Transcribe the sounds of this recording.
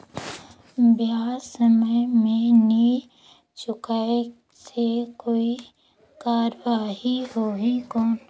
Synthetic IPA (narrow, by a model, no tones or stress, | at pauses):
bjaːsəməjmẽni | t͡ʃʊkae | sekoːi | kaːɾəʋaːɦiɦoːɦikɔːn